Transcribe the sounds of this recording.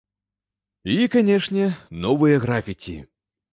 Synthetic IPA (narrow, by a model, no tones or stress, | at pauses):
ikanʲɛʂnʲɛnɔvɨjɐɣɾafʲikʲḭ